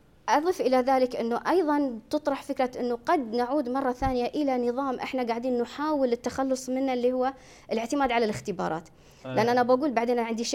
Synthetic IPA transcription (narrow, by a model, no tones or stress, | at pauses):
ʔɑðˤifʔɪlaðaːlɪkʔɪnːuʔɑjðˤɑnt̪ɨt̪ˤɾˤɑħfɪkɾaʔɪnːuɡɑd̪naʕuːd̪mɑrˤːɑθaːnɪjaʔɪlanɨðˤɑːmʔɪ̰ħnaɡaʕd̪iːnːʊħaːwɪlɪt̪ːaxalːʊsˤmɪnːalːiːhʊwːa | ʔɪlɪʕt̪ɪmaːd̪ʕalalɪxt̪ɪbɑ̰ːɾˤɑ̰ːt̪ | lɪʔanːʔanabaɡuːlbaʕd̪eːnʕɪnd̪iʃ